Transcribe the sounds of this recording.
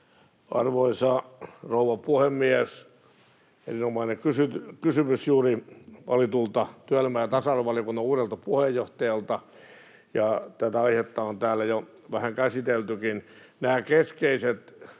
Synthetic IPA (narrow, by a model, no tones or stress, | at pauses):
ɑ̰rʋoisɑrouʋɑpuhemːies | ḛrinomɑinekysyt̪kysymysjuːriɑ̰lit̪ult̪ɑt̪yælemæːæt̪ɑsɑˑrɑʋɑlijokunːɑuːɾelt̪ɑpuhejoht̪ɑjɑlt̪ɑ | jɑt̪æt̪æɑihet̪ːɑont̪æːlːæjo | ʋæhæŋkæsit̪elt̪ykin | næːkeskeiset̪